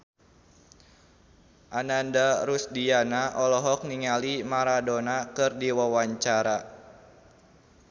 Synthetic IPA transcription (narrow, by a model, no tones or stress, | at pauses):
ʔanandaɾusdianaʔɔlɔɦɔk̚niŋalimaɾadonakɨrdiwawaɲt͡ʃaɾa